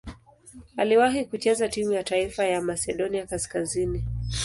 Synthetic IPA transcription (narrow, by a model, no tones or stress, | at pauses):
aliwaɦikut͡ʃɛzatimujataifajamasɛɗɔniakaskazini